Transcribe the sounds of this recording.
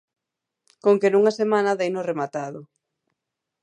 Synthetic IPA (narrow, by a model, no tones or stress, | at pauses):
koŋkenuŋɐsemanɐðejnoremat̪aðʊ